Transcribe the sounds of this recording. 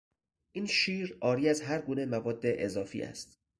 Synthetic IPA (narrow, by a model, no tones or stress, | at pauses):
ʔiːnʃiːɾɒːɾiːæzɦæɾɡuːne̞mævɒːd̪ːe̞ʔezɒːfḭːʔæ̰st̪